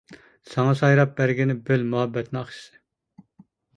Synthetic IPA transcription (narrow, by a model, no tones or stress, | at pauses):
sɑŋɑsɑjɾɑp̚bæɾɡʲinɪbølmuɦɛbːɛt̪nɪɑχʃi̥sɨ̥